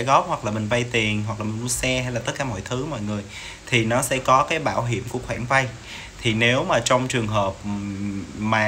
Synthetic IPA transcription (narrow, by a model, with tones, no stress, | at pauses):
ɣɔ˦˥p̚hwa˨˩k̚laː˨˩mï˨˩ŋ̟va˧jt̪i˨˩ənɦwa˨˩k̚laː˨˩mi˨˩ŋmu˧sɛ˧ha˧jlaː˨˩t̪ə˦˥kaː˧˩mɔ̰˧˨jt̪ʰɨ˨˦mɔ̰˧˨jŋɨ˨˩əj | t̪ʰi˨˩nɔ˨˦sɛ̰˧˥kɔ˨˦kaː˨˦jɓaː˧˩wɦḭ˧˩əmku˧˩əxwaː˧˩nva˧j | t̪ʰi˨˩ne˨˦wmaː˨˩t͡ɕɔ˧wŋ͡mt͡ɕɨ˨˩əŋɦəː˨˩p̚ | maː˨˩